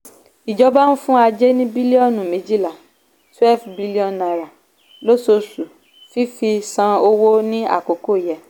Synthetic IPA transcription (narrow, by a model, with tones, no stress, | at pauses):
i˨d͡ʒɔ˨˦ba˦ñ̩˦fũ˦a˧d͡ʒe˦nĩ˦bi˦li˦ɔ̃˦˨nũ˨mĩ˨˦d͡ʒi˦˨la˨ | twɛ˦˨lfbi˦li˦ɔ̃˧˨nna˨ɾa˨ | lo˦so˧su˨ | fi˦fi˧sã˧o˧wo˦nĩ˦a̰˦˨ko˨˦ko˦i˨jɛ˨